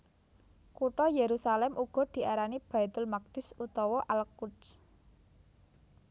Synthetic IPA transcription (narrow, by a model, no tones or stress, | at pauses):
kuʈɔjeɾusalɛmuɡ̥ɔ̤d̪̥i̤aɾanib̥a̤it̪ʊlmaɡ̚d̥ɪ̤sut̪ɔwɔʔalkuts